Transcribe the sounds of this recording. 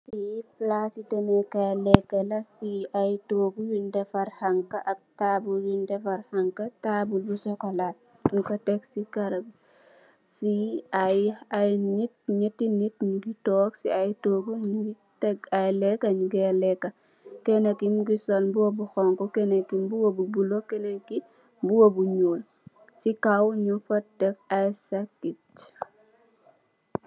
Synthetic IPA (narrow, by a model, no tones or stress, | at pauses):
fiplasitɛmekajlɛkːelɐfiajtoːɡujundefaɾhaŋkaʔak̚taːbuljundefaɾhaŋkataːbulbusɔkɔlad̚ | nukɐtɛksikaɾab | fiajajnit̚ɲitːinit̚nuɡitɔːksḭajtɔɡuɲuɡi | tɛɡajlɛkːaɲiɡɛlɛkːa | kɛnekːimɡisɔnbuwobuxɔŋkɔkɛnekːimbuwobubulokɛneki | buwobuɲoːl | sikawɲufɐtɛk̚ajsakːit